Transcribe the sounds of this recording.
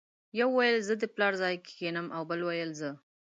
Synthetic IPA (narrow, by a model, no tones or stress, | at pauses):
jawːajəlzəd̪əplɑɾzɑjke̥kenəmʔawbəlwajəlzə